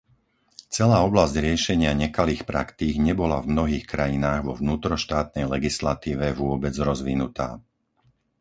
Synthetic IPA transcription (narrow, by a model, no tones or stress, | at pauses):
t͡sɛlaːɔblazɟɾɪɛʃɛɲɪaɲɛkaliːxpɾa̰kt̪iːɡɲɛbɔlavmnɔɦiːxkɾajinaːɣʋɔʋnuːt̪ɾɔʃt̪aːt̪̚nɛjlɛɡislat̪iːʋɛʋʊɔbɛd͡zɾɔzʋinut̪a̰ː